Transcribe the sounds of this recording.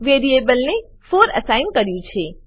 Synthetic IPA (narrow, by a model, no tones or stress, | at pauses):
ʋeːɖieːbəlne | foːɾɐ̰saːɪnkɐɾijũt͡ɕʰeː